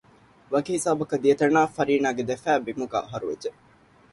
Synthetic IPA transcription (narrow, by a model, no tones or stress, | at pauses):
ʋɐɡiɦisaːbɐkɐd̪iet̪ɐnaːfɐɾiːnaːɡed̪efæːbimuɡa̰ːɐɦɐɾuʋḛd͡ʒe